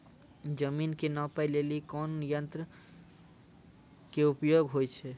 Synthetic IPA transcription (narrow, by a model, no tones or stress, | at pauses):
d͡ʒəminkenɔpəjlelikɔnjənt̪ɾə | keupjoɡɦojt͡ʃʰɛ